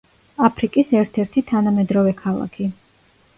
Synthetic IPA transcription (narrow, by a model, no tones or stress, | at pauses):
apʰɾikʼisɛɾt̪ʰɛɾt̪ʰit̪ʰanamɛd̪ɾɔvɛkʰalˠa̰kʰi